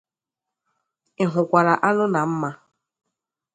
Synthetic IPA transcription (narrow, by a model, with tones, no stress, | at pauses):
ɪ˨ɦʊ˨kʷa˨ɾa˨ʔa˦nʊ˦na˨m̩˦ma˦